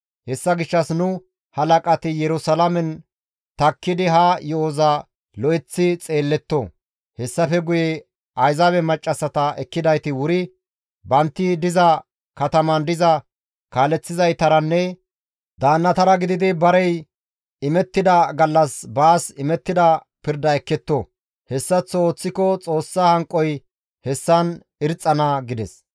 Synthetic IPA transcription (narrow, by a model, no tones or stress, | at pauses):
hɛsːɐɡɪʃːɐsnʊ | hɐlɐkʼɐt̪ɪjɛɾʊsɐlɐmɛn | t̪ɐkːɪd̪ɪɦajɔɔzɐ | lɔʔɛt͡sːɪt͡sʼeːlːɛt̪ːɔ | hɛsːɐfɛɡʊjɛ | ɐjzɐbɛmɐt͡ʃʼːɐsɐt̪ɐʔɛkːɪd̪ɐjt̪ɪwʊɾɪ | bɐnt̪ːɪd̪ɪzɐ | kɐt̪ɐmɐnd̪ɪzɐ | kaːlɛt͡sːɪzɐjt̪ɐɾɐnːɛ | d̪aːnːɐt̪ɐɾɐɡɪd̪ɪd̪ɪbɐɾɛj | ɪmɛt̪ːɪd̪ɐɡɐlːɐsbaːsɪmɛt̪ːɪd̪ɐ | pɪɾd̪ɐɛkːɛt̪ːo | hɛsːɐt͡sːoːt͡sːɪkɔt͡sʼo̞ːsːɐhɐŋkʼːɔj | hɛsːɐn | ɪɾt͡sʼːɐnɐɡɪd̪ɛs